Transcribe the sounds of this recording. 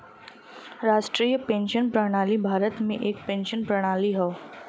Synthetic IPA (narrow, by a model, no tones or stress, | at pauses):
ɾaːʃʈɾiːjəpẽnʃənpɾəɽ̃aːlibʱaːɾət̪mẽʔeːk̚pẽnʃənpɾɐɽ̃aːliɦɔ